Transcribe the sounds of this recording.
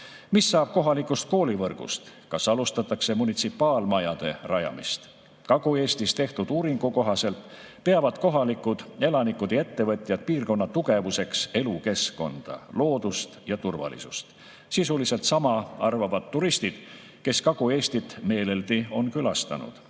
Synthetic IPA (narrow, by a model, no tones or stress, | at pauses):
misːɑːb̥̚ko̞ɦɑlikːˑust̪̚ko̞ːlivɤrɡ̥ṵst̪kɑsɑlust̪ɑt̪ːˑɑkse̞munit̪sipːˑɑːlmɑjɑd̪̥e̞rɑjɑ̰mist̪ | kɑɡ̥ue̞ːst̪ist̪e̞ht̪ud̪̥uːɾiŋɡ̥uko̞ɦɑse̞lt̪ | pe̞ɑvɑd̪̥ko̞ɦɑlikːud̪̥e̞lɑnikud̪̥e̞t̪ːe̞vɤ̞t̪ʲˑjɑd̪̥̚piːrko̞nːɑt̪uɡ̥e̞vuse̞kse̞luke̞sko̞̰nd̪̥ɑ̰lo̞ːd̪ust̪jɑt̪urvɑ̰lḭsust̪ | sisulise̞lt̪sɑmɑɑrvɑvɑd̪ːuɾist̪id̪̥ | ke̞skɑɡ̥ue̞ːsʲt̪it̪ːˑme̞ːle̞ld̪io̞nkylɑst̪ɑ̰nṵd̪̥